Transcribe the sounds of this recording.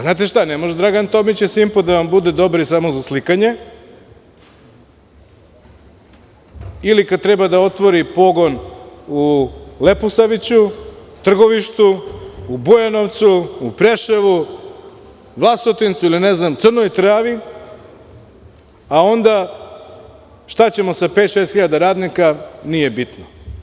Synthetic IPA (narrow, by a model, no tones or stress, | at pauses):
znaːt̪̬eʃt̪anemo̞ʒed̪ɾaɡant̪o̞mit͡ɕesimpod̪aʋambud̪ed̪o̞bɾisamozaslikaɲe̞ | ilikad̪̚t̪ɾebad̪ao̞t̪ʋoɾipo̞ɡo̞nuleposaʋit͡ɕut̪r̩ɡo̞ʋiʃt̪uː | bujano̞ʋt̪suːpɾeʃeʋu | ʋlˠasot̪int̪suilineznamt̪sɨr̩nojt̪ɾaːʋi | ao̞nd̪a | ʃt̪at͡ɕe̞mo̞sapet̪ʃeːst̪xiʎad̪aɾaːd̪nikanijebit̪no